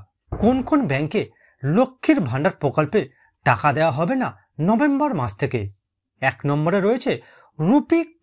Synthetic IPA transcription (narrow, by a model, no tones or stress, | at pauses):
konkʰonbɛŋke | lokʰːiɾbʱaɳɖaɾpɾokɔlpe | ʈakad̪eowaɦɔbena | nɔbembɔɾmad͡ʑt̪ʰeke | ɛknɔmboɾeɾojet͡ɕʰe | ɾupi